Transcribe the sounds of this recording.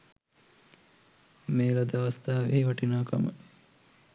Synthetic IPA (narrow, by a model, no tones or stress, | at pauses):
meːlad̪aʋɐst̪aːʋeːʋɐʈinaːkamə̰